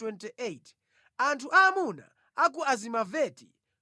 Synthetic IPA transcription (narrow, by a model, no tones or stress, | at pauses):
wɛntiʔet | antʰuʔamuna̰ | ak̬uazimavɛti̥